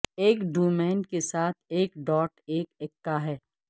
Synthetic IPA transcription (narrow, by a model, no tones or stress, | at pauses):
eːkɖuːmɛ̃ːnɖkesaːt̪ʰeːkɖɔːʈeːkekːaɦɛː